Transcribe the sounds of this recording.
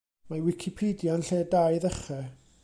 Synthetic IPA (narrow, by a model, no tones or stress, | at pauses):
mawɪkʰipʰedjanɬɛdajðɛχɛ